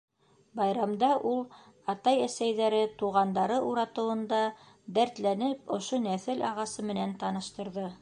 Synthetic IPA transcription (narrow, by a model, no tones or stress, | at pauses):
bɑjɾɑmd̪ɑʔulˠ | ɑt̪ɑjæsæjðæɾɘt̪uʁɑnd̪ɑɾɤʔuɾɑt̪ɤ̆wɤ̆nd̪ɑ | d̪æɾt̪lænɘpŏʃonæθɘlɑʁɑsɤmɘ̆nænt̪ɑnɤ̆ʃt̪ɤ̆ɾðɤ